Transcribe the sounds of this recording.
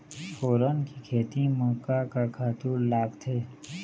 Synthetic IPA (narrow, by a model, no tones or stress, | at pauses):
fʰoːɾəːnkikʰeːt̪ĩmɔ̃ːkakakʰaːt̪uːllaːɡt̪ʰeː